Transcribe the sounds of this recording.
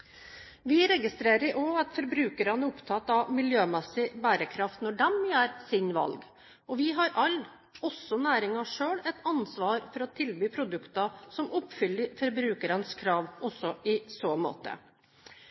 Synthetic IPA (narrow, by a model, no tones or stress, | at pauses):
ʋɪɾɛɡɪst̪ɾeːɾəɾʔoːɑt̪fɔɾbɾʉːkəɾɑnəɾʊpt̪ʰɑːt̪ɑʋmɪljøːmɛsɪbæːɾəkʰɾɑft̪nɔɖɛmjæːɾsɪnʋɑ̰lɡ | ɔʋɪɦɑɾʔɑlː | ɔsːɔnæːɾɪŋɑʂøːɭɛt̪ɑnsʋɑːɾfɔɾɔt̪ʰɪlbyːpʰɾʊd̪ʉkt̪ɑsɔmʊpfʏləfɔɾbɾʉːkəɾɑnskʰɾɑːʋɔsːɔʔɪsoːmo̰ːt̪ə̰